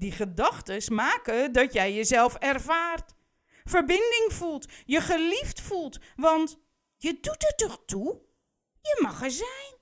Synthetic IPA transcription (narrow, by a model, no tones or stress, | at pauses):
diχədɑxtəsmaːkədɔtjɛjjəzɛlˠfɛrvaːrt | fəɹbɪndɪŋfulˠtjəχəliftfulˠtʋɑnt | jədutətɔχtu | jəmɑχəzɛjn